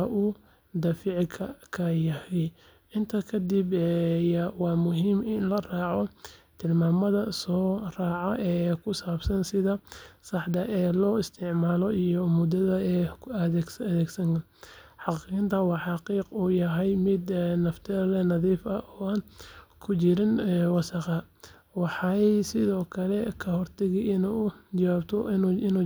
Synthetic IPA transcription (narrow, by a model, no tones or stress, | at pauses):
ʔuː | d̪ɐfiʕkʰɐkʰɐjɐhɛj | ɪnt̪ʰɐkʰɐd̪ibɛjwɑːmʊɦiːmɪnlɐrɑːʕɔt̪ʰɪlmaːmɐðɐsɔːraːʕɐʔɛːkʰʊsaːbsɐnsɪðɐsɑħd̪ɐʔɛːlɔːɪst̪ʰɪʕmaːlɔijɔmʊd̪ɐðɐɛːkɐɛɡsɐðɛːɡsɐŋkʰɐ | ħɑqiɣɪnt̪ʰɐwɑħɑqiːquːjɐɦɛjmɪd̪nɐft̪ʰɛlɛnɐðiːfɐɔːaːnkʰʊt͡ʃɪɾɪnːwɑsɑqɑ | wɑħɑsɪðɔːkʰɐlɛkʰɐhɔrt̪ʰɐɣiɪnud͡ʒɐwaːbt̪ʰɔnɪnu